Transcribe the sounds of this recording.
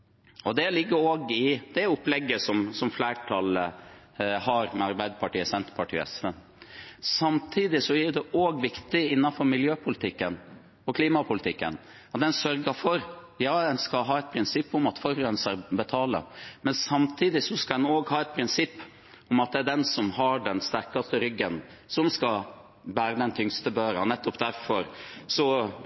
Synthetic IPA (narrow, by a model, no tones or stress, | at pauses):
ɔd̪ɛlɪɡːəɾoːɡɪd̪̥ɛæʊplɛɡːəsɔmsɔmflæːʈʰɑlə | hɑɾmɛɑɾbæɪd̪əpʰɑʈiːəsɛnt̪ə̥pʰɑʈʰḭːɛ̰sʋɛn | sɑmt̪ʰiːd̪ɪsɔæd̪ɛʔoːɡʋɪkt̪ɪɪnːɑnfɔɾmɪljøːpʰʊlɪt̪ʰɪkːən | ɔkʰliːmɑpʰʊlɪt̪ɪkːə̰n | ɑt̪̚d̪ɛnsœɾɡəfɔɾ | jɑːɛnskɑɦɑːɛt̪̚pʰɾɪnsɪpːʊmɑt̪fɔɾœnsəɾbɛt̪ʰɑːlə̰mɛnsɑmt̪ʰiːd̪ɪsɔskɑd̪ɛnoːɡhɑːɛt̪̚pʰɾɪnsɪpː | ʊmɑt̪̚d̪ɛæɖ̪ɛnsɔmɦɑɖɛnst̪æɾkɑst̪əɾʏɡːən | sɔmskɑ | bæːɾəd̪ɛnt̪ʰʏŋst̪əbøːɾɑ̰nɛt̪ːɔpd̪æɾfɔɾsɔ